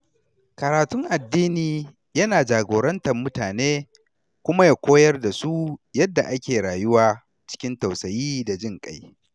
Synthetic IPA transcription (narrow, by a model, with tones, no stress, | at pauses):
kɐ˨ɾaː˨tʊ˦ŋʔa˨dːiː˦niː˨ | jɐ˦naː˨d͡ʒaː˨ɡʷoː˨ɾɐ˦ntɐ˨mmːʊ˦taː˨neː˦ | kʷʊ˦ma˦ja˨kʷoː˦jɐ˦rda˨su˦jɐ˦dːa˨ʔa˦kʲeː˨ɽaː˨jʊ˦waː˨ | t͡ʃɪ̥˦kʲɪ˦nta˨wsɐ˨jiː˦da˨d͡ʒɪ˦ŋkʼa˦j